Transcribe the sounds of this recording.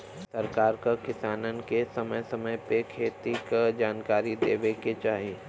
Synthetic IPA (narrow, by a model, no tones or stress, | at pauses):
sɐɾkaːɾkakɪsaːnənkesɐməjsɐməjpekʰeːt̪ikad͡ʒaːnkaːɾid̪eːʋeket͡ʃaːɦie